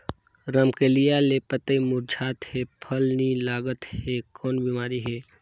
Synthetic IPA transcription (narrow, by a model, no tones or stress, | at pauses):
ɾəmkelijalepət̪emʊɾd͡ʒʰʱaːt̪hepʰəlnilaːɡət̪hekɔːnbimaːɾiɦɛː